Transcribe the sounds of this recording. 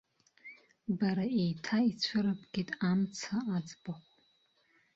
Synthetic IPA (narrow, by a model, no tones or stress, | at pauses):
baɾaejtʰait͡ɕʷʰʊɾɨpʰʼɡ̥ʲɪtʼamt͡sʰaat͡sʼbaχʷ